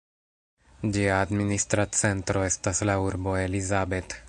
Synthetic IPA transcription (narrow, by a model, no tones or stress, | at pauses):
d͡ʒiaːdministɾat͡se̞ntɾo̞e̞staslauɾbo̞e̞lizabe̞t